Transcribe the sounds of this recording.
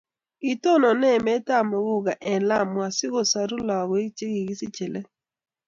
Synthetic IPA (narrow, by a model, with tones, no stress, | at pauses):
i˨to˦nɔ˨nɛ˦˨mɛ˦ta˦˨mo˨ɣu˦ɣa˨ʔɛ˨la˦˨mwa˨sɪ˦ɣo˨sa˨ɾu˦lɔ˨ɣɔ˨˦i˦t͡ʃe˦ɣi˨ɣi˦si˦t͡ʃe˨le˦